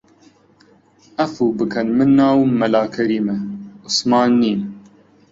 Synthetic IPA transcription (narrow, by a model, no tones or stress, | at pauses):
ɐfuːbɨkʰɐnmɨnːaːwmɐlaːkʰɛɾiːmɛʊsmɑːnːiːn